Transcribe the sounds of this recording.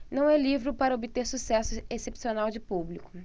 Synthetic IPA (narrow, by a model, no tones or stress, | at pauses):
nɐ̃w̃ɛlivɾɪʊpaɾɐobɪt̪eɾsusɛsʊesepsionawd͡ʒɪpublikʊ̥